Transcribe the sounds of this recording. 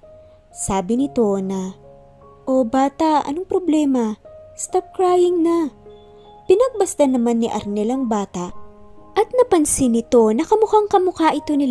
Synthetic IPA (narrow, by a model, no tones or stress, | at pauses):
saːbɪnɪt̪o̞nɐ | ʔo̞baːt̪ɐʔʔɐ̰no̞ŋpɾo̞blɛːmɐst̪ap̚kɹaːjɪŋnɐ | pɪnɐɡ̚bɐst̪ɐnɐmanːɪʔɐ̰ɾnɛlɐŋbaːt̪ɐʔʔɐt̪̚nɐpɐnsɪnɪt̪o̞nɐkɐmʊkaŋkɐmʊkaʔɪt̪o̞nɪl